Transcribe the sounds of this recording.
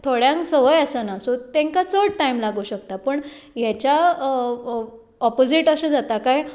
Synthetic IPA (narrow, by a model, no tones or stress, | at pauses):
t̪ʰoɽjãŋksəʋəjasənasot̪ẽŋkat͡səʈʈaimlaɡuːɕəkt̪apəɳ | jɛt͡ɕa | ɔpod͡ziʈəsə̃d͡zat̪akaj